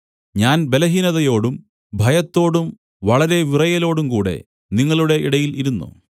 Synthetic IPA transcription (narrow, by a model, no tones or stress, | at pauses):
ɲaːnbe̞lɐɦinɐðɐjo̞ːɽum | bʱɐjɐt̪ːo̞ːɽum | ʋɐɭɐɾe̞ʋirɐjɐlo̞ːɽumkuːɽe̞̰ | niŋːɐɭuɽe̞ʔiɽɐjiliɾunːṵ